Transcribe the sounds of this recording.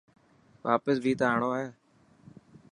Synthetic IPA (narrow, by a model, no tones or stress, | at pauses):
ʋaːpəsbʱiːt̪aːɳoːɦɛː